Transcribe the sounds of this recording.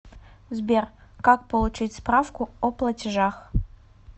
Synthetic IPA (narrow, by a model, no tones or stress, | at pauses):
zbʲerkak̚pəlˠʊt͡ɕitʲspɾafkʊɔplˠɐtʲɪʐax